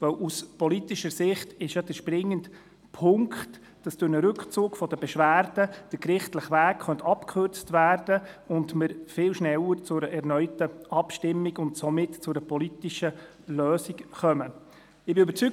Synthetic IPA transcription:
vœwʔuspɔlitiʃəɾsɪχtɪʃjɑd̥̪əʃpɾɪŋːənt | pʰʊŋkχt | d̥ɑsd̥ʊnəɾɵkχt͡suːkfɔd̥əbɛʃʋæːɾd̥əd̥əkɾɪχtləχʋæːkχœntɑpkʰχøɾt͡stvæːɾd̥əʊndməɾfɪːlʃnɛwəɾt͡sʊɾəʔɛɾnœʏtəʔɑpʃtɪmːiɡʊntsɔmɪtt͡sʊɾəpɔlitiʃə | løːsikχœmə | ɪbɪøbəɾt͡syk̚

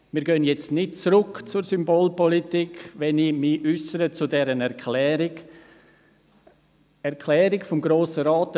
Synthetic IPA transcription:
miːɾɡœnjɛt͡stnɪt̚t͡sɾʊkt͡sʊɾsymboːlpɔlitikʋɛnimiʏsəɾət͡sudɛɾənɛɾkʰlɛːɾɪɡ | ɛɾkʰlɛːɾɪkfɔmɡɾoːsəɾaːt

